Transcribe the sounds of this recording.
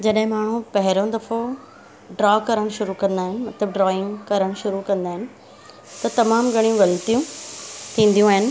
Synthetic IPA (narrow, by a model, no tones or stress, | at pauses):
d͡ʑɐɗɦɪ̃maːɳ̤ũpɐɦɪɾõd̪ɐfo | ɖɾɔːkɐɾəɽ̃ʃʊɾukɐ̃nd̪aːɦɪnɪ̆mɐt̪ləb̚ɖɾɔːɪ̃ŋɡkɐɾəɽ̃ʃʊɾukɐ̃nd̪aːɦɪnɪ̆ | t̪ɐt̪ɐmaːmɡʱɐɽ̃ijũʋɐlt̪ijũt̪ʰĩːn̆d̪ijũaːɦɪnɪ̆